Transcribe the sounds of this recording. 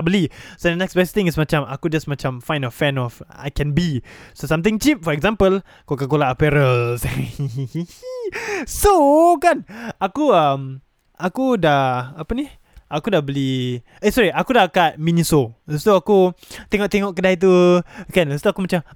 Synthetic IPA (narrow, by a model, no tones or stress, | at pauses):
bəlisɛndənɛksbɛst̪ɪ̃ŋismat͡ʃama̰kud͡ʒasmat͡ʃamfaj̃nɔfɛ̃nɔfa̰jkɛ̃nbisosamt̪̬ɪ̃ŋt͡ʃip̚fɔɛkzãmpəl | kokakolaəpɛɾəs | sokanakuəm | akudaapəni | ʔakudabəli | esɔɹiakudakat̪̚minisost̪uakut̪eŋɔʔt̪eŋɔʔkədait̪̬ukanast̪uakumat͡ʃam